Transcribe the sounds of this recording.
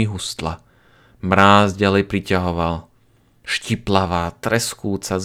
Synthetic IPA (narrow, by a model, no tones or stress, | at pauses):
iɦust̪la̰ | mɾaːzɟalɛjpɾicaɦɔʋal | ʃciplaʋaːt̪ɾɛskuːt͡saz